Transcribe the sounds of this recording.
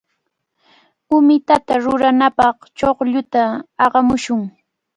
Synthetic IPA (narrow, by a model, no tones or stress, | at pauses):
ʊmɪt̪at̪aɾʊɾanapɑχt͡ʃoχʎʊt̪aɑɢɑmʊʃʊŋ